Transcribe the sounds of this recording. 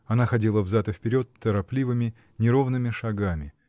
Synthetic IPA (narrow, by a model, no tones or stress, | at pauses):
ɐnaxɐdʲilˠəvzat̪ɨfpʲɪɾʲo̞t̪ːəɾɐplʲivɨmʲɪ | nʲɪɾo̞vnɨmʲɪʂɐɡamʲɪ